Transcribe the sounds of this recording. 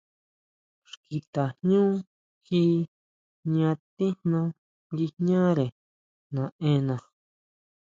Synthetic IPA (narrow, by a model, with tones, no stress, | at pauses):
ʂki˧t̪a˨ɲɲũː˦ | xi˦ | ɲã˧t̪ĩ˦nã˧ | ji˧ɲã˦ɾe˨ | nã˨ẽ˧˦nã˨